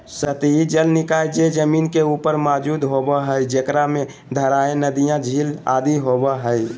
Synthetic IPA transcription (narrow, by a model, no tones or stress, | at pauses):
sət̪id͡ʒəlnɪkaːjd͡ʒed͡ʒəmiːnkeupəɾmad͡ʒud̪ɦobəɦəid͡ʒəkɾame | d̪ʱəɾaẽnəd̪ijãd͡ʒʱilad̪iɦobəɦəj